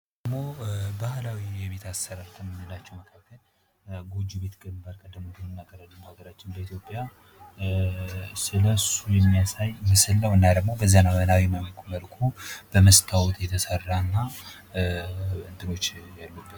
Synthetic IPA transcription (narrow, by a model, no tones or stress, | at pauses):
d̪d̪əɡmo̞bahlawijɛβe̞t̪ʰasəɾaɾt̪ʰənɨnːɨlat͡ʃːɛwməkʰakːəl | ɡod͡ʒube̞t̪ɡɨmbaɾkʼəd̪ːɨmod̪ɨmnːaɡəɾalːəmhaɡəɾat͡ʃːɪnbəit̪ʰjo̞pʼːja | sɨləsujɛmːijasajmɨsɨlːəwɨnːad̪əɡmo̞bəzːənawənawiməlkʰuməlkʰub̥əməst̪ʰawɔt̪jɛt̪ʰəsərːaɨnːa | ənt̪ʼɨno̞t͡ʃːjalːub̪ː